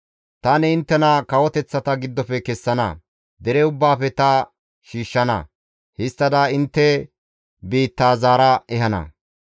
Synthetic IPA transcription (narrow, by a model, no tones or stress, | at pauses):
t̪ɐnɛɪnt̪ːɛnɐkɐwɔt̪ɛt͡sːɐt̪ɐɡɪd̪ːɔpɛkɛsːɐnɐ̰ | d̪ɛɾɛʊbːaːfɛt̪ɐ | ʃiːʃːɐnɐ̰ | hɪst̪ːɐd̪aɪnt̪ːɛ | biːt̪ːaːzaːɾɐɛhɐnɐ̰